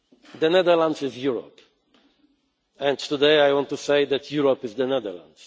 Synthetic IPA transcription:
d̪ənɛðə˞lãndzɪzjuɹɔ̰p | ɛ̃nt̪udeɪajwɔ̃ntːuseɪðætʰjuɹopɪzðənɛd̪ə̰˞lã̰ndz̥

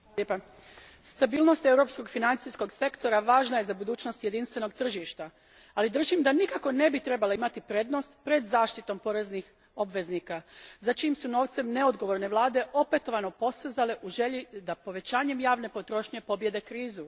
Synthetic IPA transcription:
epa | st̪abiːlˠno̞st̪e̞wɾo̞psko̞ɡfinant̪sisko̞ɡse̞kt̪o̞ɾaʋaːʒnaje̞zabud̪uːt͡ɕno̞st̪je̞d̪inst̪ʋe̞no̞ɡ̚t̪r̩ʒiʃt̪a | alid̪r̩ʒimd̪anikako̞ne̞bit̪ɾe̞balaimat̪ipɾe̞ːd̪no̞st̪pɾe̞d̪zaːʃt̪it̪o̞mpo̞ɾe̞znix | o̞bʋe̞zniːkazat͡ʃiːmsuno̞ːʋt̪se̞mne̞o̞d̪ɡo̞ʋo̞ɾne̞ʋlˠaːd̪e̞ʔo̞pe̞t̪o̞ʋano̞po̞st̪ezale̞ʔuʒe̞ʎid̪apo̞ʋe̞t͡ɕaːɲe̞mjaːʋne̞po̞t̪ɾo̞ːʃɲe̞po̞bje̞d̪e̞kɾiːzu

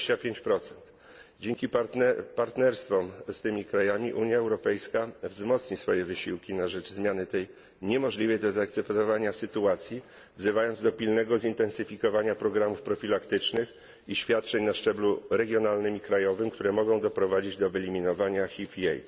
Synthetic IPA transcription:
t͡ɕapʲjeɲt͡ɕpɾɔt̪sɛnt̪ | d͡ʑeŋkʲippaɾt̪nɛɾst̪fɔmst̪ɘmʲikɾajamʲiʔuɲjaɛwɾɔpɛjskavzmɔt̪sɲisfɔjɛvɘɕiwkʲinaʐɛd͡ʐzmʲjanɘt̪ɛj | ɲɛmɔʐlʲivɛjd̪ɔzaːk̚t̪sɛpt̪ɔvaɲasɘt̪uat̪sʲji | vzɘvajɔnd̪zd̪ɔpʲilnɛɡɔzint̪ɛnsɘfʲikɔvaɲapɾɔɡɾamufpɾɔfʲilakt̪ɘt͡ʂnɘx | iɕfʲjat̪̚t͡ʂɛɲnaʂt͡ʂɛbluɾɛɡʲjɔnalnɘmikɾajɔvɘmk̚t̪uɾɛmɔɡɔ̃w̃d̪ɔpɾɔvad͡ʑid͡ʑd̪ɔvɛlʲimʲinɔvaɲaxʲifʲiɛ̰jt̪s

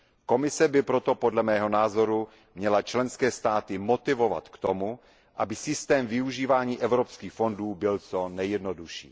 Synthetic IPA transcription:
ko̞mɪsɛbɪpɾo̞t̪o̞podlɛmɛːɦo̞naːzo̞ɾu | mɲɛlat͡ʃlɛnskɛːst̪aːt̪ɪmot̪ɪvo̞va̰t̪kt̪o̞mu | ʔabɪsɪst̪ɛːmvɪuʒiːvaːɲiːʔɛvɾopskiːxfo̞nduːbɪlt͡sonɛjɛdnoduʃḭː

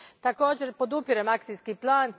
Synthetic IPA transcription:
t̪ako̞ːd͡ʑeɾpo̞d̪upiɾemaksiskiplˠaːn

